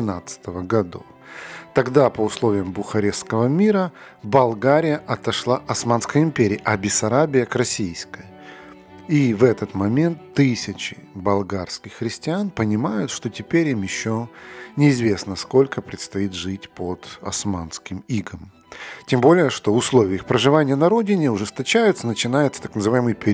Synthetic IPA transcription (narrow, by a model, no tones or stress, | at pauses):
nat̪sɨ̥t̪əvəɡɐd̪o̞̰f | t̪ɐɡd̪apəʊslˠo̞vʲɪjəmbʊxɐɾʲefskəvəmʲiɾə | bɐlˠɡaɾʲɪjəʔɐt̪ɐʂlˠaʔɐsmanskəjəɪmpʲeɾʲɪːʔɐbʲɪsɐɾabʲɪjəkrɐsʲijskəjə | ivɛt̪ət̪mɐmʲe̞nt̪ːɨsʲɪt͡ɕɪbɐlˠɡarskʲɪxːɾʲɪsʲtʲɪanpənʲɪmajʊt̪ʂt̪o̞tʲɪpʲeɾʲimjɪɕːonʲɪːzvʲe̞snəsko̞lʲkəpɾʲɪt̪st̪ɐit̪ʐɨtʲpʰod̪̥ɐ̰smanskʲɪmiɡəm | tʲembo̞lʲɪjəʂt̪oʊslˠo̞vʲɪəɨxpɾəʐɨvanʲɪjənɐɾo̞dʲɪnʲɪʊʐɨst̪ɐt͡ɕæjʊt̪sənət͡ɕɪnajʊt̪sət̪aknəzɨvajɪmɨjpʲɪ